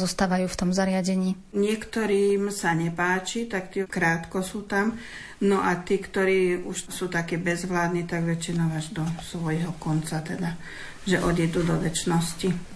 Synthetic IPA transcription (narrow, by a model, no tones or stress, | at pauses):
zɔst̪aːʋajuːft̪ɔmzaɾɪaɟɛɲiː | ɲɪɛkt̪ɔɾiːmsaɲɛpaːt͡ʃit̪akt̪iɛkɾaːt̪kɔsuːt̪am | nɔʔat̪iːkt̪ɔɾiːuʃsuːt̪akɛːbɛzʋlaːd̪nit̪aɡʋɛt͡ʃinaaʒd̪ɔsʋɔjɦɔkɔnt͡sat̪ɛd̪a | ʒɛʔɔd̪jɛd̪uːd̪ɔʋɛt͡ʃnɔsci